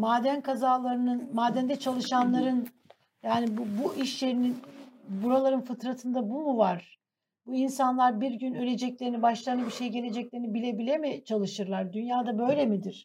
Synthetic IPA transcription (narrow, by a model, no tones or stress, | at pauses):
maːd̪ænkʰazaːlˠaɾɯnɯnmaːd̪ænd̪ɛt͡ʃʰalˠɯʃanlˠaɾɯn | jaːnibubuʔiʃlʲe̞ɾininbuɾalˠaɾɯnfɯt̪ɾat̪ʰɯnd̪abumuvaɾ̥ | buinsanlˠaɾbiɾɟynølʲe̞d͡ʒɛclʲe̞ɾinibaʃlˠajnɯbiɾʃe̞jɟe̞lʲe̞d͡ʒɛclʲe̞ɾinibilʲe̞bilʲemit͡ʃʰalˠɯʃɯɾlˠaɾd̪ynjaːd̪abø̞jlʲe̞mid̪iɾ̥